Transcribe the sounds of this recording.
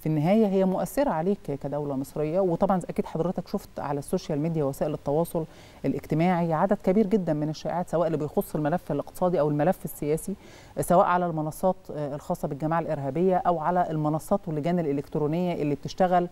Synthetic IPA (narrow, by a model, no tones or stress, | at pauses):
finːɪɦæːjæɦejːæmoʔæθːeɾæʕaleːkkæd̪æwlæmɨsˤɾejːɑwet̪ˤɑbʕɑnʔækiːd̪ħɑd̪ˤɾet̪ækʃoft̪ʕalæsːoːʃælmiːd̪jæwæsæːʔelet̪ːɑwɑːsˤol | ʔelʔeɡt̪emaːʕiʕad̪æd̪̥kæbiːɾɡed̪ːænmeneʃːæːʔʕaːt̪sæwæːʔelːibejxosˤːelmælæfːelʔeq̚t̪e̥sˤɑːd̪iʔæwelmælæfːesːejæːsi | sæwæːʔʕalælmɑnɑsˤːɑːt̪elxɑːsˤːɑbelɡæmaːʕalʔeɾɦæːbejːæʔæwʕalæʔelmɑnɑsˤːɑːt̪welːeɡæːnelʔelekt̪ɾoːnejːæʔelːib̚t̪eʃt̪æɣæl